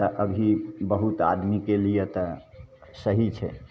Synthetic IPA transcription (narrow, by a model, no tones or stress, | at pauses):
t̪əʔəbʱibəɦut̪a̰d̪mikelijet̪ə | səɦit͡ʃʰɛ̰